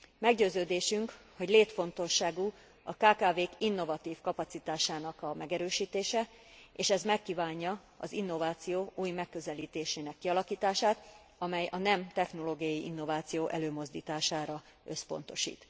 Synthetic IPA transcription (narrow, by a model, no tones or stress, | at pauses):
mɛɡɟøːzøːd̪eːʃyŋkho̞ɟleːt̪fo̞nt̪o̞ʃːaːɡu | ɒkaːkaːveːkinːo̞vɒt̪iːfkɒpɒt̪sit̪aːʃaːnɒkɒmɛɡɛɾøːʃiːt̪eːʃɛ | eːʃɛzmɛkːiːvaːɲːɒ | ɒ̰zinːo̞vaːt̪sijoːʔuːjmɛkːø̞zɛliːt̪eːʃeːnɛkːiɒlɒkiːt̪aːʃaːt̪ | ɒmɛjɒnɛmt̪ɛxno̞loːɡijɒjiʔinːo̞vaːt̪sijoːʔɛløːmo̞zd̪ḭːt̪aːʃaːɾɒ | ø̞spo̞̰n̪t̪o̞̰ʃḭːt̪